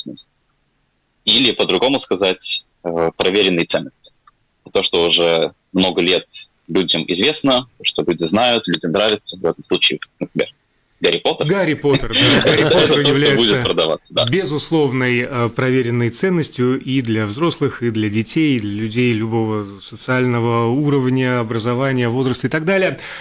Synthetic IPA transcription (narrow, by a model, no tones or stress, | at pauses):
smɨsʲ | ilʲɪpəd̪ɾʊɡo̞mʊskɐzatʲ | əpɾʔɐvʲeɾʲɪnːəjt̪sɛnːəsʲtʲɪ̥ | t̪o̞ʂt̪oʊʐɛ | mno̞ɡəlʲet̪ | lʲudʲəmɪ̰zvʲe̞snət̪oʂt̪olʲudʲɪznajʊt̪lʲudʲəmnɾavʲɪt̪səvɛt̪əmslˠut͡ɕɪːnəpɾʲɪmʲer | ɡɐɾʲɪpo̞t̪əɡaɾʲɪpo̞t̪ərd̪aaɾʲɪpoɛt̪əɾjɪvlʲæjɪtbudʲɪt̪səpɾəd̪ɐva̰t̪sːəd̪abʲɪzʊslˠo̞vnəjəpɾɐvʲeɾʲɪnːəjt̪sɛnːəsʲtʲjʊʔid̪lʲɐvzɾo̞slˠɨxid̪lʲɐdʲɪtʲejd̪lʲəlʲʉdʲejlʲʊbo̞və | sət̪sɨalʲnəvəuɾəvnʲəɐbɾəzɐvanʲɪjəvo̞zɾəst̪əɨɪt̪ɐɡ̚d̪alʲɪjə